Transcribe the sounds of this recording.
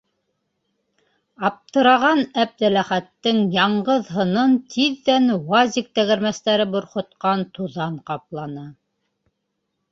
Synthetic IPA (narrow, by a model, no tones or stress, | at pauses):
ɑp̚t̪ɤ̆ɾɑʁɑnæp̚d̪ælæχæt̪ːɘŋjɑɴʁɤðɦɤ̆nɤnt̪ʰiðːænwɑzʲik̚t̪æ̆ɣɘ̆ɾmæst̪æɾɘbŏɾχŏt̪̚qɑnt̪uðɑɴqɑplˠɑnɤ